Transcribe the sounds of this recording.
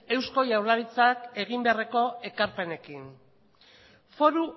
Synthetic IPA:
e̞wsko̞ʝawɾlaɾit͡sake̞ɣ̞imbe̞areko̞e̞kaɾpe̞ne̞kin | fo̞ɾu

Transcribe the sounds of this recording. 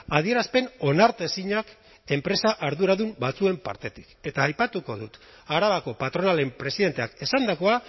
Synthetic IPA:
að̞ie̞ɾaspe̞no̞naɾt̪e̞siɲak | e̞mpɾe̞saʔaɾðuɾaðumbat͡sue̞mpa̰ɾt̪e̞t̪i̥ke̞t̪aːjpat̪uko̞̰ðut̪ | aɾaβako̞pat̪ɾo̞nale̞mpɾe̞siðent̪e̞ake̞sand̪ako̞a

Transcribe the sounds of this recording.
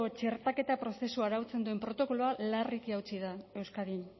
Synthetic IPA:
ot͡ʃe̞ɾt̪ake̞t̪apɾo̞se̞suaɾawt͡se̞nd̪ue̞mpɾo̞t̪o̞ko̞loalarikiawt͡siðae̞wskaðin

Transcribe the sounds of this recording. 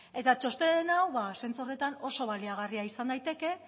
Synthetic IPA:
e̞t̪at͡ʃo̞st̪e̞enawβase̞nt͡sore̞t̪ano̞so̞β̞aliaɣ̞ariaisand̪ajt̪e̞ke̞

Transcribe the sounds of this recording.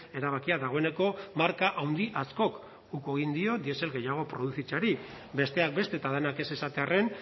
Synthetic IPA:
e̞ɾaβ̞akiaðaɣ̞o̞e̞ne̞ko̞maɾkaʔawnd̪iʔasko̞k | uke̞ɣ̞ind̪io̞d̪ie̞se̞lɣe̞jaɣ̞o̞pɾo̞ð̞uθit͡saɾi | be̞st̪e̞ak̚be̞st̪e̞ːt̪aðenake̞se̞sat̪e̞are̞n

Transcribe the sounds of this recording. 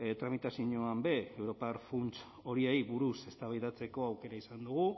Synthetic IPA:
t̪ɾamit̪asiɲoambe̞ewɾo̞parfunt͡s | o̞ɾie̞jβuɾuse̞st̪aβajðat͡se̞ko̞awke̞ɾaisand̪uɣ̞u

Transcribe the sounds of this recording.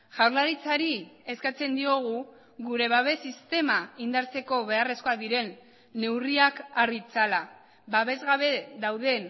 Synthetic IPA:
ʝawɾlaɾit͡saɾie̞skat͡se̞nd̪io̞ɣ̞u | ɣuɾe̞βaβe̞sist̪e̞maind̪aɾt͡se̞ko̞βe̞are̞sko̞aðiɾe̞nː | e̞wriakarit͡sala | baβe̞zɣaβe̞ðawð̞e̞n

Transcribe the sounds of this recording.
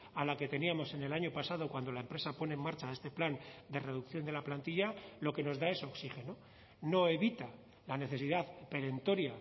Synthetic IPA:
alake̞t̪e̞niamo̞se̞ne̞laɲo̞pasaðo̞kwand̪o̞laempɾe̞sapo̞ne̞eːmːaɾt͡ʃae̞st̪e̞pland̪e̞re̞ðukθjo̞nd̪e̞laplant̪iʎalo̞ke̞no̞zðae̞soksixe̞no | no̞e̞βit̪a | lane̞θe̞siðaðpe̞ɾe̞nt̪o̞ɾja

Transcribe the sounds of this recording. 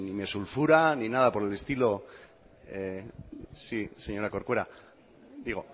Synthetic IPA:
nime̞sulfuɾaninað̞apo̞ɾele̞st̪ilo̞ | e | sise̞ɲo̞ɾako̞ɾkweɾa | d̪iɣo̞

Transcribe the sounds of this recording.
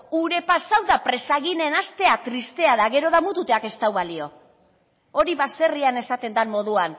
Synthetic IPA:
uɾe̞pasawðapɾe̞saɣine̞nast̪e̞at̪ɾist̪e̞aðaɣe̞ɾo̞ð̞amut̪ut̪e̞ake̞st̪awβalio̞ | o̞ɾiβase̞riane̞sat̪e̞nd̪anmːo̞ð̞uan

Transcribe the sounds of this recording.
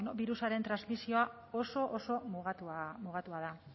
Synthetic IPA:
nobiɾusaɾe̞nt̪ɾanzmisio̞a | o̞so̞ʔoso̞muɣat̪muɣ̞at̪uað̞a

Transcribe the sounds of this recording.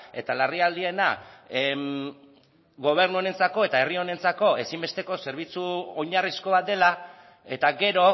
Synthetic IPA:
e̞t̪alariald̪ie̞na | ɡo̞β̞e̞ɾnuone̞nt͡sako̞e̞t̪ae̞rio̞ne̞nt͡sako̞e̞simbe̞st̪e̞ko̞se̞ɾβ̞it͡suoɲarisko̞βat̪̚d̪e̞la | e̞t̪aɡe̞ɾo̞

